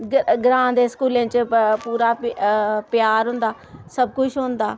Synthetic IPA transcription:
ɡɡɾãːd̪eːskuːlẽːt͡ʃpuːɾaː | pjaːɾɦʊ̃nd̪aː | səb̚kʊt͡ʃʰɦʊ̃nd̪aː

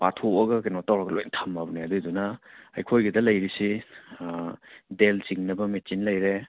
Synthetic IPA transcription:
patʰoɐɡɐkenɔtawɾɐɡɐlojntʰamabɐniɐdudunɐɐ̰jkʰojɡɐdɐlɐjɾisi | delt͡ʃiŋnɐbɐmet͡ʃinlɐjɾe

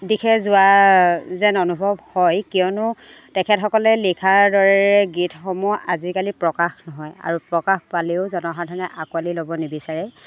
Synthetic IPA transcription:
dikʰɛzʊwa | zɛnɔnubʱɔbhɔjkiɔnʊ | tɛkʰɛtxɔkɔlɛlikʰaɹdɔɹɛɹɛɡitʰxɔmuʔazikalipɹɔkaxnɔɦɔja̰ɹupɹɔkaxpaleʊzɔnɔɦatʰɔnɛʔakualilobɔnebisaɹɛ

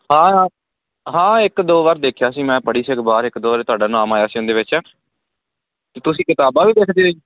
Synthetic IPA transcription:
hãː | ɦãːɪkd̪oːʋaːɾd̪eːkʰjaːsiːmɛ̃ːpəɽiːsəkbaːɾɪkd̪oːʋaːɾeːt̪ʊaːɖaːnãːmaːjaːsiːʊ̃nd̪eːʋɪt͡ʃː | t̪eːt̪ʊsĩːkɪt̪aːbaːʋiːd̪eːkʰd̪eːoi

